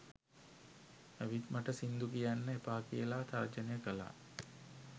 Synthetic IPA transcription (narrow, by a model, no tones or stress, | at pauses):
aʋit̪maʈəsind̪ukijanːəepaːkijəlaːt̪ard͡ʒənəjəkəla̰ː